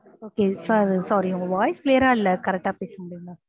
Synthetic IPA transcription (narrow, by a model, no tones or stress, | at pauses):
oːkesɐsɔːɾiʊ̃ŋɡɐʋaːɪskleːɐɾaːɪlːɐkɐɾɛk̚ʈːaːpeːsɐmʊɽijʊŋã